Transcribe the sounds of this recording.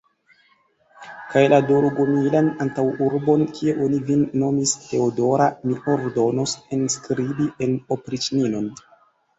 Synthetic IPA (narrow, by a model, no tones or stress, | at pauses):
kajladoɾuɡomilanantawuɾbo̞nkʰie̞ʔo̞nivinːo̞miste̞odo̞ɾamiʔo̞ɾdo̞nosenskɾibiʔeno̞pɾit͡ʃnino̞n